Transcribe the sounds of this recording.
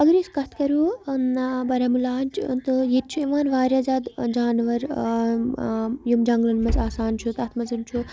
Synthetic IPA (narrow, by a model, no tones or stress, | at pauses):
ɐɡɐɾiskɐt̪ʰkɐɾuː | bɐɾamulaːnʲt͡ʃt̪ɨjet̪̚t͡ʃʰueʋaːnʋaːɾʲjaːzaːd̪d͡ʒaːnʋɐɾ | jumd͡ʒɐŋɡlɐnmɐt͡saːsaːnt͡ʃʰut̪ɐt̪ʰmɐzɐnt͡ʃʰu